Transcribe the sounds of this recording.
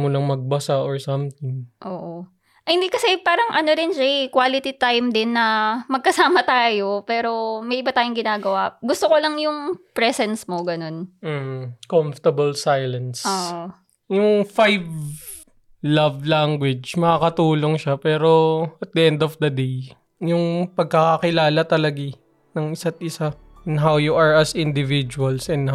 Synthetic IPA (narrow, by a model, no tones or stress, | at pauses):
monɐŋmɐɡ̚bɐsaʔoɹsɐmt̪ɪŋʔoːʔo | ʔɐhɪnd̪ikɐsɛpaːɾɐŋʔɐnoɾɪnʃɛjkwaːlɪt̪it̪ajmd̪ɪnːɐmɐɡ̚kɐsaːmɐt̪aːjo̞pɛːɾo̞mɐjʔɪbat̪aːjoŋɡɪnaːɡɐwaɡʊst̪okolɐŋjʊŋpɹɛsɛnsmoɡɐno̞nm̩ːh̩koɱft̪ɐbɐlsajlɐnsʔoːʔo | jʊŋfajv | lɐvlaŋɡwɪd͡ʒmɐkakɐt̪uːloŋʃapɛːɾo̞ɐt̪̚d̪ɐʔɛnd̪ɔfd̪ɐd̪ej | jʊŋpɐɡ̚kɐkɐkɪlaːlɐt̪ɐlɐɡɪ | nɐŋɪsat̪̚ʔɪsa | ɛnɦawjuʔɐɹɐsɪnd̪ɪvid͡ʒuɐlsʔɛnh